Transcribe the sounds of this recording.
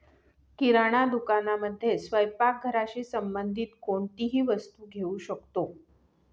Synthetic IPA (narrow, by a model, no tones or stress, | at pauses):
kiɾaɽ̃ad̪ukanaməd̪ʱːjesʋəjpak̚ɡʱəɾat͡ɕisəmbənd̪ʱiːt̪koɳt̪iɦiːʋəst̪uːɡʱeuɕəkt̪o